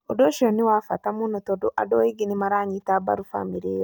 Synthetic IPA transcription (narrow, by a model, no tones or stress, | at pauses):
odoʃoniwafatamunotodoʔadoiɡinimaɾaɲitaba̰ɾufa̰miɾeɾo